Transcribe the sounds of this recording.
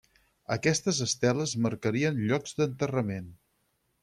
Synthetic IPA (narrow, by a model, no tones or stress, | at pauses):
əkɛst̪əzəst̪ɛləzməɾkəɾiənʎɔɡz̥d̪ənt̪ərəmen